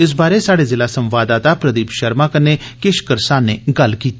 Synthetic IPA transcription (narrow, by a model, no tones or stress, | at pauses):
ɪs̬baːɾesaːɽezɪlaːsə̃mʋaːd̪aːt̪apɾəd̪iːpʃəɾmaːkəne | kɪʃkəɾsaːneɡɐlkiːt̪ː